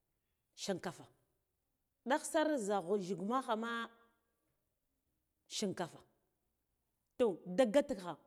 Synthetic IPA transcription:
ʃi˨ŋka˨fa˨ | ɗa˦xsa˦ɾza˨ɣo˨ʒi˨ɡma˦xa˨ma˦ | ʃi˨ŋka˨fa˨ | to˨da˦ɡa˦ti˦kxa˨

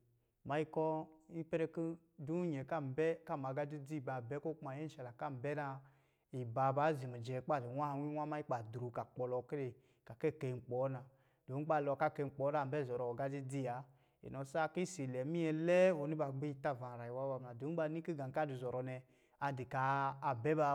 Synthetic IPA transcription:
ma˨˦i˦kɔ˦i˦pɛ˦ɾɛ˧ki˦ | du˦ɲɛ˨ka˦˨m˨bɛ˦ka˦˨m˨a˨ɡa˦di˦di˦˨ba˨bɛ˦ko˦k͡pma˨jɛ˦n̩˦ʃa˨la˨ka˦˨m˨bɛ˦na˧ | i˨ba˨ba˨˦zi˨mi˨d͡ʒɛ˨k͡pa˦˨di˨wʷa˦˨˧wi˦wʷa˦ma˦i˦k͡pa˨du˨ɾu˨ka˨k͡pɔ˨lɔ˧ki˦ɾe˨ | ka˨kɛ˦˨ke˧˨ŋ͡m̩˨k͡pɔ˨˦na˨ | d̥o˨˦k͡pa˦˨lɔ˧˨ka˦˨ke˧˨k͡pɔ˨˦na˨bɛ˦˨zɔ˨ɾɔ˨ɡa˦di˦d͡zi˦˨a˨˦ | ḛ˨nɔ˨sa˦ki˦si˨lɛ˨˦mi˦ɛ˧lɛ˦ɔ˨ni˦ba˧ɡ͡bi˦i˧˨ta˦˨va˨ɾa˨i˨wa˦wa˧˨m˨a˨du˨˦ba˧ni˦ki˦ɡa˨ŋ˨ka˦˨du˨zɔ˨ɾɔ˧˨nɛ˧ | a˧di˨kaː˨bɛ˦ba˧

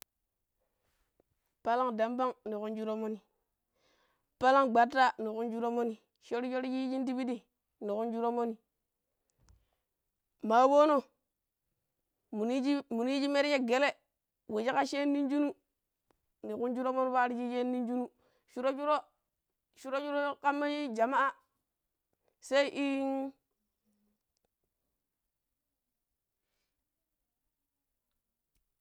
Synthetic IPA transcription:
pa˦la˦ŋda˨mba˦ŋni˨ku˦nd͡ʒu˦ɾo˦mo˦ni˨ | pa˦la˦ŋɡ͡ba˨tːa˦ni˨ku˦nd͡ʒu˦ɾo˦mo˦ni˨ | ʃo˦ɾʃo˦ɾd͡ʒi˦d͡ʒi˦nti˦bi˦di˦ | ni˨ku˦nd͡ʒu˦ɾo˦mo˦ni˨ | ma˨˦wo˦no˦ | mu˨i˦d͡ʒmu˨ni˦d͡ʒi˦me˦ɾi˦je˦ɡe˦le˦ | we˨t͡ʃi˦ka˦ʃe˦nːi˦nd͡ʒu˦nu˦ | ni˨ku˦nd͡ʒu˦ɾo˦mo˦n˦βa˦ɾi˦d͡ʒi˦t͡ʃe˦nːi˦nd͡ʒu˦nu˦ | ʃu˦ɾo˦d͡ʒu˦ɾo˦ | ʃu˦ɾo˦t͡ʃu˦ɾo˦ka˦mːa˦d͡ʒi˦d͡ʒa˨ma˦a˦ | se˦i˦ʔi˦n

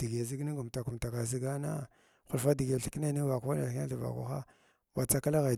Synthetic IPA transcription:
d̥i˨ɡe˨zi˦ɡni˦ɡu˨m˨ta˨ku˨mta˨ka˨z̬i˦ɡa˦na̰˦ | xu˨lfa˦di˨ɡe˨ɬi̥˦ki˦na˦ni˦va˨ku˦a˦na˨˦a˦ɬi˨va̰˨kṵ˦xa̰˦ | wa˨t͡sa˦ka˦la˦ɣa˨

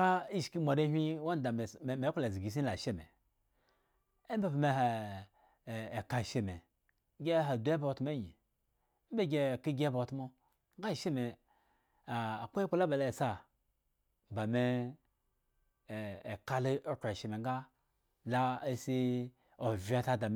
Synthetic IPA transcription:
ɡa˦i˦ʃki˦ma˨ɾe˦ɦʷi˦wa˦n˦da˨m˨me˨˦kla˨zi˨ɡi˨s̬i˦la˨ʃe˦mḛ˨ | e˦be˦pa˨me˦ɦa˨ | ka˨ʃe˦me˨˦ | ɡʲe˦ɦa˨du˨˦e˦bo˦˨tm˦e˦jḭ˨˦ | be˦ɡʲe˨ki˦ɡʲe˦bo˨˦tmo˦ | ŋ˦ɡa˦˨ʃe˦me˨ | a˨kʷo˦e˦k͡pa˦la˦ba˨la˨sa˦ | ba˨me˦˨ | ka˦lo˦ka˨ʃe˨me˨ŋɡa˦ | la˦e˦si˦ | o˨vʲi˨˦a˦ta˦da˨m

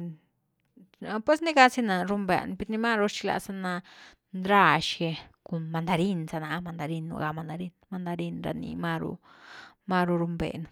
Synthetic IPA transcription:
a˧pwe˦sni˦ɡa˧si˦na˨ɾu˧mbḛ˨n˧pe˧ɾni˧ma˦ɾo˧t͡ʃi̥˧la̰˧sa˧na˧ | nd̪ɾa˦˧ʃɡe˧ko˨nma˧nd̪a˧ɾi˦nsa˧na˧ma˧nd̪a˧ɾi˧nːṵ˧ɡa˧ma˧nd̪a˧ɾi˦nma˧nd̪a˧ɾi˧nɾa̰˧nḭ˧ma˧ɾṵ˧ | ma˧ɾu˧ɾu˧mbḛ˨n˧

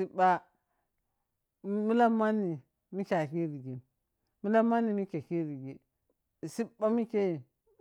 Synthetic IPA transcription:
i˦ba˦ | mi˦la˦ma˦ni˨ | mi˦kʲa˨ki˦ɾi˨ɡi˨n | mi˦la˦ma˦ni˨mi˦ke˨ki˦ɾi˨ɡi˨ | si˦ba˦mi˦ke˦i˨

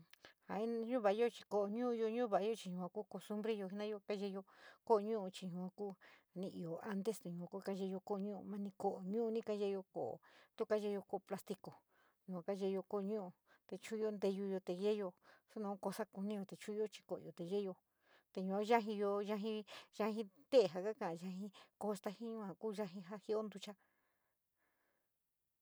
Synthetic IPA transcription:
ha˨i˦ɲũ˦βa˨˦jo˦t͡ʃi̥˧ko˨ʔo˨ɲũː˦˧jo˧ɲũː˦βa˨a˧˦jo˦˧t͡ʃi˧ɲũ˧˨ã˧kuː˦ko˧st̪u˦mbɾe˦jo˧ɦi˧nã˦jo˧ka˦ʒe˧jo˧ko˦˧ɲũ˦u˧t͡ʃi˧ɲũ˧˨ã˧kuː˦˨ | nĩ˧ʔi˧o˨a˦nd̪e˦st̪e˨ɲũ˧˨ã˧ku˦˧ka˦ʒe˧jo˧ko˦o˧ɲũ˦ʔṵ˧mã˦nĩ˧ko˧ʔo˨ɲũː˦˧nĩ˦ka˦ʒe˦˧jo˧ko˨o̰˨t̪u˦ka˦ʒe˧jo˧ko˧o˧pla˧st̪i˧ko˨ | ɲũ˨kʷã˨˧ka˦ʒe˧jo˧ko˦˧ɲũ˦ʔu˧ | t̪e˧t͡ʃu˦˧˦o˧nd̪e˧ju˧jo˧t̪e˧ʒe˦jo˧su˦nõ˧˦ko˧sa˦ku˧nĩ˦jo˧t̪e˨t͡ʃũ˦i˧˦o˦t͡ʃi̥˧ko̰˨˧o˨t̪e˨ʒe˦jo˧ | t̪e˧ɲũ˧a˧ʒa˦ɦĩ˧jo˧ʒa˧ɦĩ˧ʒa˧hĩ˧t̪e˦˨ɦa˧ka˦kã˧˨ʔã˧ʒa˧ɦĩ˧ko˧st̪a˧hĩ˦ɲũ˦˧˦ã˧˨kuː˦ʒa˧ɦĩ˧ɦa˦hi˦o˦nd̪u˧t͡ʃa˦

